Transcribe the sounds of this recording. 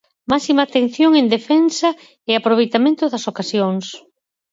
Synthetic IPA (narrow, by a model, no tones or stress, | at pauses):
masimaːt̪en̟θjoŋend̪efɛnsa | eapɾoβejt̪amẽnt̪ʊðɐsokasjoŋs